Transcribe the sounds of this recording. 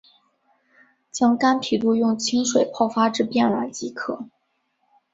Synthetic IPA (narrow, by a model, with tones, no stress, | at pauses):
t͡ɕjɑ˥ŋka˥npʰi˨˩t̪u˥˧jʊ˥˩ŋt͡ɕʰi˥ŋʂwe˨˩ɪpʰɑ˥˩ʊfa˥ʈ͡ʂɻ̩˥˧pjɛ˥˩nɻa˧˥nt͡ɕi˧˥kʰɤ˥˩